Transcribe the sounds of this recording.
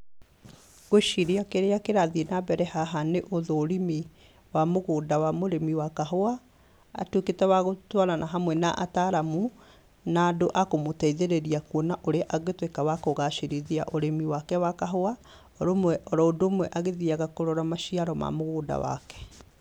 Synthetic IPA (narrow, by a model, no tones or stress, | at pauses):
ɣ̥oʃiɾeakeɾeakeɾaðienabɛɾɛhaɦaneʔoðoːɾimi | wamoɣoːdawamoɾemiwakaɦoa̰ː | tweketɛwaɣotwaɾanʔaɦamwɛnaʔa̰taɾamu | naːdoʔakomotɛiðeɾeɾiakwonaʔoɾeaʔaɣetwekawakoɣaʃeɾiðia̰ʔoɾemiwakɛwakaɦoa | ɔɾomwɛʔɔɾɔodomwɛʔaɣeðiaɣakoɾoɾamaʃiaɾɔma̰moɣoːda̰wa̰kɛ̥